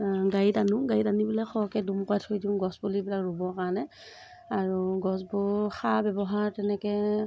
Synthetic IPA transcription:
ɡajitanũɡajitanibulɛxɔkɛdumkɔatʰojdiʊ̃ɡɔsbulibilakɹubɔkaɹnɛ | aɹuɡɔsbʊɹxabɛbɔɦaɹtɛnɛkɛ

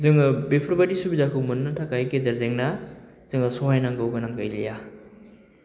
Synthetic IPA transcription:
zɯŋɯbepʰɾbadisubizakʰumunːɐtʰakajkedɐɾzeŋna | z̥ɯŋɐsɔɦajnaŋɡɯwɡɐnaŋkɐjlḭja

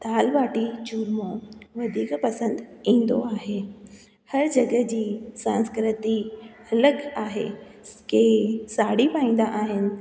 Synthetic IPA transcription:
t̪aːlʋaːʈit͡ɕuːɾmõʋɐd̪ʱiːkpɐsə̃nd̪ĩːn̆d̪o̰aːɦeː | hɐɾd͡ʑɐɡə̆d͡ʑiːsãːnskɾɪt̪i | ɐləɡaːɦḛ | keːsaːɽipaːĩːn̆d̪aʔaːɦɪnɪ̆

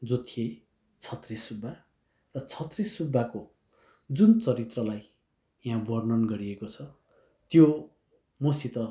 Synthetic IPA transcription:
d͡zot̪ʰie | t͡sʰʌt̪risubʱːa | rʌt͡sʰʌt̪risubʱːako | d͡zunt͡sʌɾit̪rʌlaj | jãbʌrnʌnɡʌɾiekot͡sʰʌ | t̪jo | mosit̪ʌ

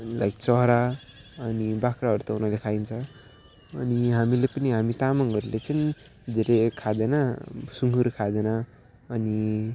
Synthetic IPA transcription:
la̰jɡt͡sʌɦɾa | ʌnibakɾaɦʌɾut̪ʌunalekʰaint͡sʰʌ | ʌniɦamilepʌniɦamit̪amʌŋɦʌɾulet͡sʌn | d̪ʱeɾekʰad̪enʌsuŋɡuɾkʰad̪enʌ | ʌni

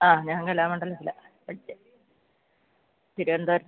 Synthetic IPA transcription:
aːɲaːŋkɐlaːmuɳɖɐlːɐsilɐ | pɐʈit͡ɕːe | t̪iɾuʋend̪ɐːɾ

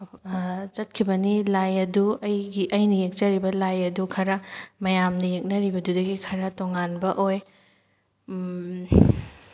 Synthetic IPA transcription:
t͡ʃɐt̚kʰibɐnilajɐduɐjɡiʔɐjnɐjek̚t͡ʃɐɾibɐlajɐdukʰɐɾɐmɐjamnɐjek̚nɐɾibɐdudɐɡikʰɐɾɐtoŋanbɐʔoj

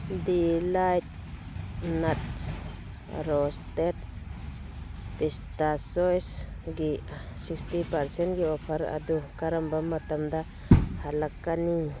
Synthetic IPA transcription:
d̪ilajt̪̚ | nat̪s | ɾost̪et̪̚ | pist̪asojsɡiasikst̪ipaɾsenɡiopʰaɾa̰d̪ukaɾambamat̪amd̪a | halakani

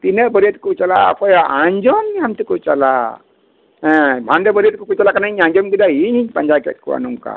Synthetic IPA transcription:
t̪inebəɾit̪̚kut͡ʃala̰pʰɔjaɲd͡ʒɔmːiamt̪ikut͡ʃala | ɛ̃bʱandebəɾiet̪̚kukut͡ʃalakanaiɲãɲd͡ʒɔmɡid̪aɦiniɲpaɲd͡ʒajkḛt̪̚kṵa̰nuŋka̰

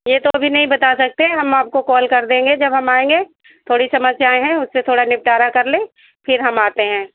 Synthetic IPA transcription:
jet̪oɐbʱinɐɦĩbɐt̪asɐk̚t̪eɦɛ̃ɦɐmaːp̚kokɔːlkɐɾd̪ẽːŋɡed͡ʒɐbɦɐmaːẽːŋɡe | t̪ʰoːɽisɐməd͡ʒsjaːeɦɛ̃ʊsːet̪ʰoːɽanɪp̚ʈaːɾakɐɾlẽː | fɪɾɦɐmaːt̪eɦɛ̃ː

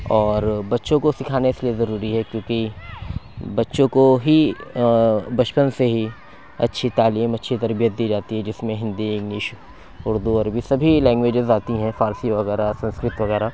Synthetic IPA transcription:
ɔːɾbɐtːʃõkosɪkʰaːneseliezɐɾuːɾiɦɛkjõːki | bɐtːʃõkoɦi | bɐt͡ʃpənseɦi | ɐ̰tːʃʰit̪aːliːmɐtːʃʰit̪ɐɾbijət̪̚d̪iːd͡ʒaːt̪iɦɛd͡ʒɪsmẽɦɪ̃nd̪iɡnɪʃ | ʊɾd̪uɔɾbʱisɐbʱilɛ̃ːŋɡʋeːd͡ʒɪzaːt̪iɦɛ̃faːɾsiʋɐɣɛːɾasɐ̃nskɾɪt̪ʋɐɣɛːɾa

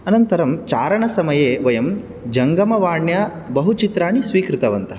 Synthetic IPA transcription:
ɐnɐnt̪ɐɾɐmt͡ʃaːɾɐɳɐsɐmɐjeːʋɐjɐm | d͡ʒɐŋɡɐmɐʋaːɳjaː | bɐɦut͡ʃit̪ɾaːɳisʋiːkɾɪt̪ɐʋɐnt̪ɐɦɐ

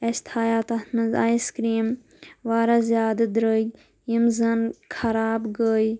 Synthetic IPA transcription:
ɐst̪ʰaːjat̪ɐtnɐzaːiskɾiːm | ʋaːɾazjaːd̪ɐd̪ɾəɡʲ | jimzɐnkʰɐɾaːbɡəːj

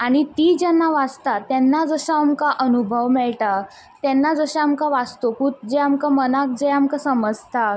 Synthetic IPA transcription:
aɽ̃it̪iːd͡ʑɛnːaʋad͡zt̪at̪ɛnːad͡zəɕaamkaʔənubʱəʋmɛɭʈa | t̪ɛnːad͡zəɕaamkaʋad͡zt̪okut̪̚d͡ʑeamkamənak̚d͡zeamkasəməd͡zʱt̪a

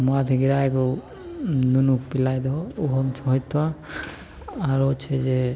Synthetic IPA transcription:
mat̪ʰiɡiɾajɡɔ | nunuk̚pilajd̪ɔːɦɔmt͡ʃʰɔɦɔt̪wa | ɾɔt͡ʃʰɛd͡ʒɛ

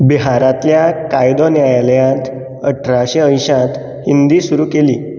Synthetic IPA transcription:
biɦaɾãt̪ljakajd̪ɔnjajaljãt̪ | əʈʰɾaɕeə̃j̃ɕãt̪ | hind̪iːsuɾuːkelḭː

